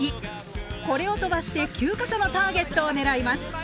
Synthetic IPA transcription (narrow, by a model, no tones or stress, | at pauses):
i | ko̞ɾe̞o̞t̪o̞baɕi̥t̪e̞kʲɨːkaɕo̞no̞t̪aːɡe̞t̪ːo̞ːne̞ɾaimasɨ̥